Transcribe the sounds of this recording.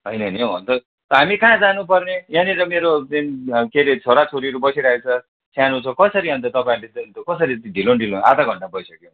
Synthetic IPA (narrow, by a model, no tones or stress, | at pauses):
ɦʌjnʌnjeʌnt̪ʌ | t̪ʌɦamikãd͡zanup̬ʌrnejaniɾʌmeɾoinkeɾet͡sʰoɾat͡sʰoɾiʌɾubʌsiɾaet͡sʰʌ | sjanɦũt͡sʰʌkʌsʌɾiɦʌnt̪ʌt̪ʌpaĩlet̪nt̪okʌsʌɾit̪dʱilonɖʱilona̰t̪aɡʱʌɳʈabʌisʌkjow̃